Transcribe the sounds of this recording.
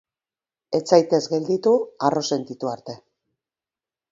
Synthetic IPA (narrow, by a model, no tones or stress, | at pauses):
e̞t͡sajt̪e̞zɡe̞ld̪it̪uaro̞se̞nt̪it̪uaɾt̪e̞